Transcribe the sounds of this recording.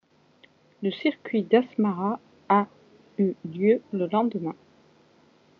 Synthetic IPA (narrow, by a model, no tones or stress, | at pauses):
ləsiʁkʲɥid̪asmaʁaː | yljøləlɑ̃d̪mɛ̃